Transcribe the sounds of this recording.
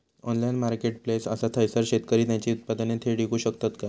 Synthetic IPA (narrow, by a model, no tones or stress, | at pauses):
ɔ̰nlajinmaɾkeʈ̚plesəsat̪ʰəjsəɾɕet̪kəɾiːt̪jat͡ɕiːut̪̚pad̪ənet̪ʰeɽikuːɕəkt̪at̪ka